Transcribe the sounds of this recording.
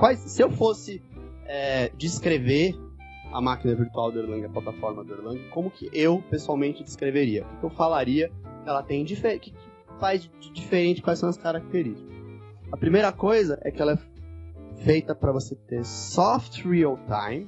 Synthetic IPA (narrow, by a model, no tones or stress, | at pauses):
kwajssɪewfosɪ | ɛd͡ʒiskɾeveɾ | ɐ̰makinɐviɾt̪uawd̪ʊeɾlɐ̃ɡɪɐplat̪afɔɾmɐd̪ʊeɾlɐ̃ɡɪkõmʊkʰɪʔewpesuawmẽnt͡ʃɪd͡ʒɪ̥skɾeveɾiɐukɪkɪewfalaɾiɐkɪɛlɐt̪ẽj̃d͡ʒifekɪkɪ | fajzd͡ʒɪd͡ʒifeɾẽnt͡ʃɪkwajsɐ̃w̃ɐskaɾak̚t̪eɾist͡ʃɪ̥kɐs | ɐpɾimejɾɐkojzɐʔɛ̰kɪɛlɐɛ | fejt̪ɐpɾɐvoset̪eɾsɔft̪ɾiowt̪ãj̃m